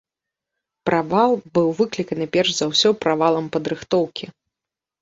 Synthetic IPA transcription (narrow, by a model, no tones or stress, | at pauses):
pɾʔavalˠbɨwvɨklʲikɐnɨpʲɛrʂzawsʲɔpɾavalˠɐmpɐd̪ɾɨxt̪ɔwkʲi